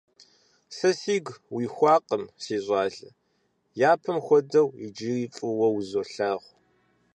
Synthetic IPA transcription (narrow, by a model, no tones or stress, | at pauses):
sɐsiːɡwiːxʷɑːqəmsiːɕʷʼɑːɮɐ | jaːpʰɐmxʷɔdɐwid͡ʒiːriːfʼɨwɐwzoːɬaːʁʷ